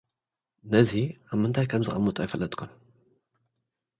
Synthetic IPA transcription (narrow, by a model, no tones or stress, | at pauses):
nɐziaβmɨnt̪ʰajkʰɐmzɨ̰xʼɐmːut̪ʼajɪfɐlːɐt̪ʼkʰun